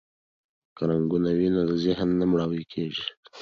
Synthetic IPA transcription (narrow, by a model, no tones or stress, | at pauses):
kəɾaŋɡunawinod̪əzɪhnːamɽawəjkʰeʒi